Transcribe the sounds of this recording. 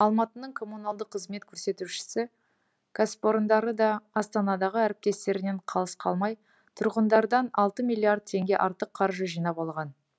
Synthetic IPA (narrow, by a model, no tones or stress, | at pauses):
ɑlˠmɑt̪ənəɴkʰo̞mːunɑlˠd̪əqʰːəzme̞t̪̚kʲʰɵɾse̞t̪uʃɪ̥sɪ | ɡ̥aspoɾnd̪ɑɾəd̪ɑɑst̪ɑnɑd̪ɑʁəæɾɪp̚t̪e̞st̪e̞ɾɪne̞ɴqʰɑlˠəsqʰɑ̰lˠmɑj | t̪ʰʊɾʁənd̪ɑɾd̪ɑnɑlˠt̪əmilʲːiaɾd̪̚t̪ʰe̞ŋɡʲe̞ʔɑɾt̪əqʰːɑɾʒəʒijnɑpɑlˠʁɑn